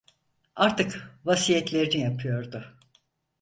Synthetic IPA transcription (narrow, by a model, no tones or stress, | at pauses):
aɾt̪ɯkvasijɛt̪lʲe̞ɾinijapʰɯjo̞ɾd̪ʊ